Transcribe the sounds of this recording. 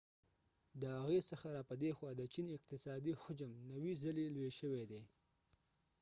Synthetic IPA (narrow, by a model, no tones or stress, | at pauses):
d̪əhaɣesəxaɾɑpəd̪exwɑd̪ət͡ʃinɪq̚t̪ɪsɑd̪ixʊd͡ʒəmnawizəlelweʃəwed̪e